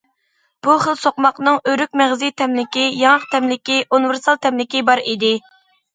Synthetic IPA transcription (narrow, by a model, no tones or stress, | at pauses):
b̥uχəlˠsoqmɑqnɨŋøɾykʲmæʁzit̪ʰɛmlɪkʲijɑŋəq̚t̪ʰɛmlɪkʲiʔuniveɾsɑlˠt̪ʰɛmlɪkʲibɑɾid̪ɪ